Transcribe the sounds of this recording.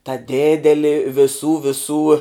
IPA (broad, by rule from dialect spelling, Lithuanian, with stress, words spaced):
tɐ ˈdʲeːdʲɛlʲɪ ʋʲɪˈsuː ʋʲɪˈsuː